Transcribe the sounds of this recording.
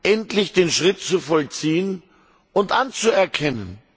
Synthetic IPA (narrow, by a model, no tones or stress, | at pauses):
ʔɛntlɪçd̥eːnʃʁ̥ɪt̚t͡sufɔlt͡siːən | ʔʊntʔant͡suɛɐkʰɛnən